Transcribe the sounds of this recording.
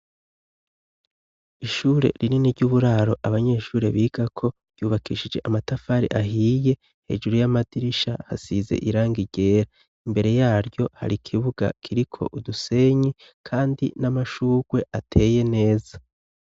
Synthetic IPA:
iʃuːɾe̞̰ɾininiɾɟuβuɾaːɾo̞ʔaβaɲe̞ːʃuːɾe̞βiːɡ̥akʰo̞ɾɟjuːβakʰiʃid͡ʒe̞ʔamatafaːɾḭʔaɦiːje̞ | he̞̰d͡ʒuɾujamadiɾiʃaha̰size̞̰ʔiɾaːŋɡiɟe̞ːɾa | imbe̞ɾe̞jaːɾɟo̞ha̰ɾikʰiβuɡa̰kʰiɾikʰo̞̰ʔuduse̞ɲi | kʰaːndinamaʃuːɡwe̞ʔatʰe̞ːje̞ne̞ːza

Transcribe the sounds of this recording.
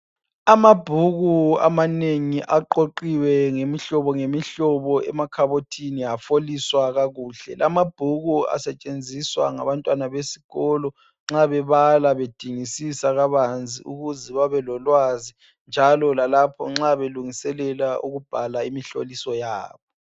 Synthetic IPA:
amab̥ʱuɣua̰maneŋiʔaǃoǃiwɛŋemiɬɔβɔŋemiɬɔβɔɛ̰makʰaβotʰiniafoliswaɣaɣuːɬɛ̰lamab̥ʱuɣua̰sɛt͡ʃʼend͡zʱiswa̰ŋa̰βantʼwanaβesi̥ɣɔlɔ | ŋ͡ǁaβɛβalaβed̥ʱiŋisisaɣaβand͡zʱḭʔuɣuziβaβɛlɔlwazi | nd͡ʒʱalɔlalapʰɔ̰ŋ͡ǁaβeluŋisɛlɛlaʔuɣub̥ʱalaimiɬo̰lisɔjaːβɔ

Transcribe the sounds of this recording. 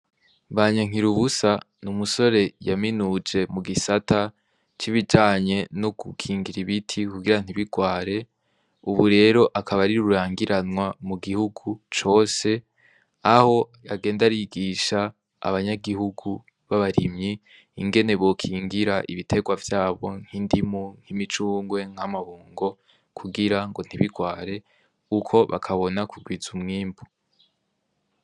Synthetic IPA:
βaɲaŋ̥iɾuβusa | numuso̞ɾe̞jaminud͡ʒe̞muɡisata | t͡ʃiβid͡ʒaːɲe̞noɡukʰiːŋɡiɾiβitʰikuɡiɾan̥iβiɡ̥waːɾe̞ | uβuɾe̞ːɾo̞ʔakʰaβaɾiɾuɾuɾaːŋɡiɾanwamuɡihuɡut͡ʃo̞ːse̞ | aho̞jaɡe̞ːndaɾiɡiʃa | a̰βaɲaɡiɦuɡu | βaβaɾimɲi | iŋɡe̞ne̞βo̞kʰiːŋɡiɾaʔiβitʰe̞ɡwavjaːβo̞ŋ̥hindimuŋ̥imit͡ʃuːŋɡwe̞ŋ̥amaβuːŋɡo̞ | kʰuɡiɾaŋɡo̞n̥iβiɡwaːɾe̞ | ukʰo̞βa̰kʰaβo̞nakʰuɡwizumŋiːmbu

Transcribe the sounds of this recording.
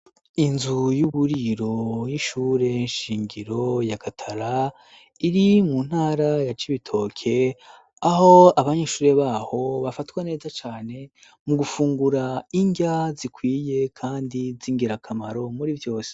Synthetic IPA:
inzujuβuɾiɾo̞jiʃuːɾe̞nʃiːŋɡiɾo̞jakʰatʰaɾa | iɾimun̥haːɾajat͡ʃiβitʰo̞ːkʰe̞ | aɦo̞aβaɲeːʃuːɾe̞βaːho̞βafatwane̞ːzat͡ʃaːne̞ | muɡufuːŋɡuɾaiɲɟazikwiːje̞kʰaːndiziːŋɡiɾakʰamaɾo̞muɾivjo̞ːse̥

